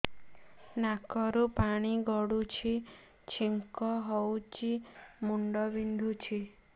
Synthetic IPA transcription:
nakɔɾupaɽ̃iɡɔɽut͡ʃʰi | t͡ʃʰiŋkɔɦɔwt͡ʃimuɳɖɔbind̪ʱut͡ʃʰi

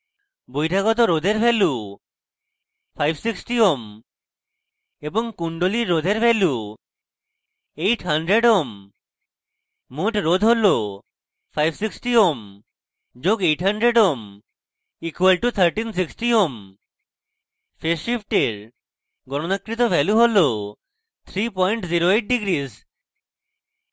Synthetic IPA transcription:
bojʈʰaɡɔt̪̬oɾod̪ʱeɾpʰelu | pʰajbsiksʈiom | eboŋkuɳɖoliɾːod̪ʱeɾpʰelu | ejʈʰɦaɳɖɾeɖom | uʈɾod̪ʱɦolo | fʰajbsiksʈiom | d͡ʒoɡeʈɦəɳɖɾeɖom | ikwəlʈut̪ʰəɾʈins̬iksʈiom | feʃipʰʈeɾ | ɡɔɽ̃onəkɾit̪̬obʱɛluɦolo | t̪ʰɾipɔjɳʈziɾoeʈ̚ɖiɡɾiz

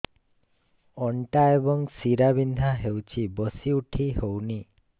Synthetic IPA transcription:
ɔɳʈaebɔŋsiɾabind̪ʱaɦewt͡ʃʰibɔsiuʈʰiɦowni

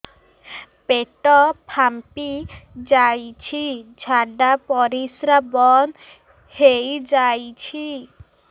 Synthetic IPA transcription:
peʈɔpʰampid͡ʒajt͡ʃʰid͡ʒʱaɖapɔɾisɾabɔn | hejd͡ʒajt͡ʃʰi

